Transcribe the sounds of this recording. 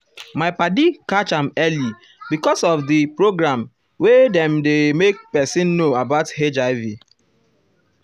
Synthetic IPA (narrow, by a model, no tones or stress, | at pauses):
maɪpadikat͡ʃãmɛli | bikɔsɔfdipɹoɡɹãm | wedɛ̃mdemek̚pɛsĩnːoabaʊthed͡ʒaɪvi